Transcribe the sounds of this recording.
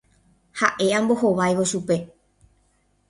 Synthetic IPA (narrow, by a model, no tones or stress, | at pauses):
haʔe̞ãmbo̞ɦoʋajʋo̞ʃupe̞